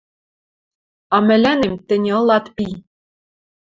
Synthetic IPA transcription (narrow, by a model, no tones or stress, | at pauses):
ɑmɘ̆lænemt̪ɘ̆nʲeɤ̆lɑt̪pi